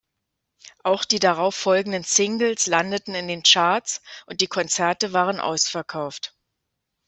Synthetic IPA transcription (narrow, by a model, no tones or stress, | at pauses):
ʔaʊxd̥iːdaʁaʊfːɔlɡŋ̩dənsɪŋɡl̩slandətn̩ɪndeːnt͡ʃaɐsʔʊnt̚d̥iːkʰɔnt͡sɛɐtəvaːʁ̞ənʔa̰ʊsfɛɐkʰaʊft